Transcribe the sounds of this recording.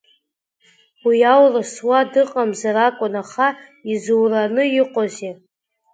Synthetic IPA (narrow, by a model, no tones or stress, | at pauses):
wiawrɨswadɨqʼamzaɾakʷʼʊnaχaizuwranɨɪqʼoze